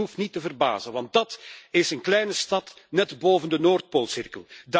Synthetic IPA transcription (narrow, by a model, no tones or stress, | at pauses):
ɦuftnitəvərba̰ːzənʋɑnt̚dɑtɪsənklɛjnəstɑtnɛtboːvəndənoːrt̚poːlˠsɪrkəlˠda